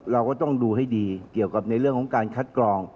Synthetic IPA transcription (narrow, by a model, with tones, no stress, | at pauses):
ɾa˧wkɔː˥˩t̪ɔ˥˩ŋduː˧ha˥˩jdiː˧ki˨˩əwka˨˩p̚na˧jɾɯ˥˩əŋkʰɔ˨˩˦ŋkaː˧nkʰa˦˥t̪̚klɔː˧ŋ